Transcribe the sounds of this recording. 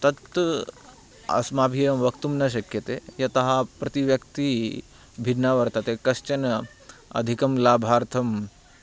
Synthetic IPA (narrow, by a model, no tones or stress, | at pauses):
t̪ɐt̪ː | ɐ̰smaːbʱijɐmʋɐkt̪umnɐʃ̬ɐkjɐt̪ejɐt̪ɐɦɐpɾɐt̪iʋjɐkt̪i | bʱiɖnaʋɐɾt̪ɐt̪ekɐst͡ʃɐnɐ | ɐ̰d̪ʱikɐmlaːbʱaːɾt̪ʰɐm